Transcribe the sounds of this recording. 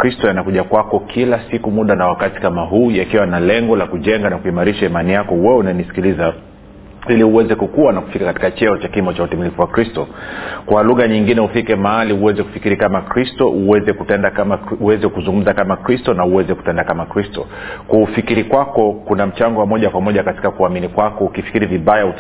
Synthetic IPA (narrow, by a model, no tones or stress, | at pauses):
kɾistɔjanakuʄakwakɔkʰilasikumuɗanawakati̥kamaɦuːjakiwanalɛŋɡɔlakuʄɛŋɡanakuimaɾiʃaimanijakɔwɛunanisi̥kiliza | iliuwɛzɛkukuwanaku̥fikakati̥kat͡ʃɛɔt͡ʃakimɔt͡ʃautimilifuwakɾistɔkwaluɣaɲiŋɡinɛufikɛmaaliuwɛzɛku̥fi̥kiɾikamakɾistɔʔuwɛzɛkutɛndakamauɛzɛkuzuŋɡum̩zakamakɾistɔnauwɛzɛku̥tɛndakamakɾistɔ̰ | kufikiɾikwakɔkunam̩t͡ʃaŋɡɔwamɔʄakwamɔʄakati̥kakuaminikwakɔukifi̥kiɾiviɓajau